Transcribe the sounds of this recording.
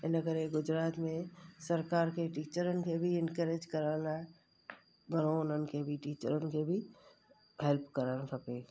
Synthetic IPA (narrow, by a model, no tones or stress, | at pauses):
enəɡəɾeɡʊd͡ʒɾaːt̪mẽsəɾkaːɾkeʈiːt͡ʃəɾənkebʱiɪnkəɾed͡ʒkəɾana | ɡəɾ̃onənkebʱiʈiːt͡ʃəɾənkebʱi | ɦelpkəɾənkʰəpe